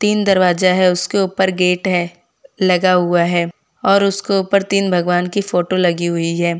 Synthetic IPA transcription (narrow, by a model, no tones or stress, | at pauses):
t̪iːnd̪ɐɾʋaːzaɦɛʊskeuːpəɾɡeːʈɦɛ | lɐɡaɦuaɦɛː | ɔːɾʊskeuːpəɾt̪iːnbʱɐɡʋaːnkifoːʈolɐɡiɦʊiɦɛː